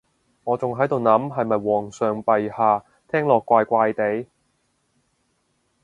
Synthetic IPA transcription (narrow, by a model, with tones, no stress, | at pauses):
ŋɔː˨˧t͡sʊ˨ŋɦɐ˨˥jt̪o˨wnɐ˨˥mɦɐ˨jmɐ˨jwɔː˨ŋsœː˨ŋpɐ˨jhaː˨˧ | t̪ʰɛː˥ŋlɔː˨kːʷaː˧jkʷaː˧jt̪e˨˥j